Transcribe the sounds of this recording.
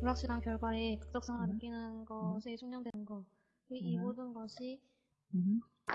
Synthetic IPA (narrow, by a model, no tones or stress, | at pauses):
puɾak̚ɕ͈iɡaŋkjʌɭɡwaɾekɯk̚t͈ʌk̚s͈aŋanɯk͈inɯnɡʌsʰet͡ɕʰoŋɲʌŋdwe̞nɯnɡʌ | kɯimodɯnɡʌɕʰi